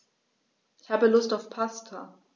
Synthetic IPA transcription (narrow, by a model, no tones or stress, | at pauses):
ɪçhaːbəlʊstaʊfpʰastʰa